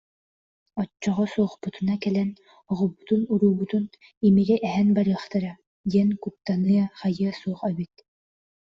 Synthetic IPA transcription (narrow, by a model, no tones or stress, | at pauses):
ɔt͡ʃːɔʁɔsuːχput̪unakɛlɛn | ɔʁɔbut̪unuɾuːbut̪un | imiɡɛʔɛɦɛnbaɾɯːχt̪aɾa | d̪iɛnkut̪ːanɯɐχajɯɐsuːχɛβit̪̚